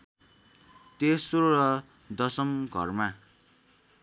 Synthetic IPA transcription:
t̪esoɾʌ | d̪ʌsʌmɡʱʌ̰rma

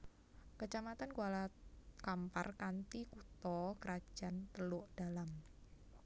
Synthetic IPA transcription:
kət͡ʃamat̪ankualakampa̰rkant̪ikut̪ɔkəɾad̥ʒ̥a̤nt̪əlʊʔd̥a̤lam

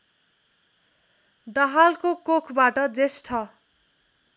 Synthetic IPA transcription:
d̪ʌɦalkokokʰbaʈʌd͡zesʈʰʌ

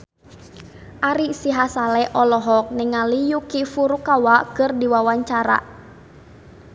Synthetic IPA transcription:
ʔaɾisiɦasalɛʔɔlɔɦɔk̚nɛŋːalijukifuɾukawakɨrdiwawaɲt͡ʃaɾa̰

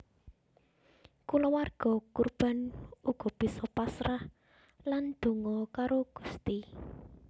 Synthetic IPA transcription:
kulɔwarɡ̥ɔ̤kurb̥a̤nuɡ̥ɔ̤b̥i̤sɔpasɾah | land̪̥ṳŋɔkaɾoɡ̥u̥st̪i

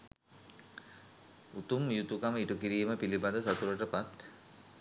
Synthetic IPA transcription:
ut̪umjut̪ukaməiʈukiɾiːməpilibad̪əsat̪uɾəʈəpat̪

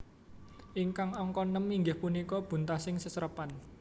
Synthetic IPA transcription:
ʔiŋkaŋɔŋkɔnːəmːiŋɡɪhpunikɔb̥ṳnt̪asɪŋsəsəɾəpan

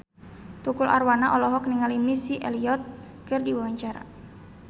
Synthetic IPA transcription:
t̪ukulʔa̰rwanaʔɔlɔɦɔkniŋalimisiʔɛliɔt̪̚ | kɨrdiwawaɲt͡ʃaɾa̰

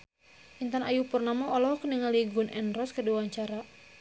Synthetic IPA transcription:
ʔint̪anajupurnamaɔlɔhkəniŋaliɡunʔɛnrɔskədiwaɲt͡ʃaɾa

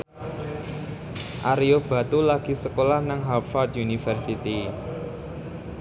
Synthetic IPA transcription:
ʔaɾiob̥a̤t̪ulaɡ̥i̤səkolahnaŋɦapfɔrt̪̚junifərsit̪i

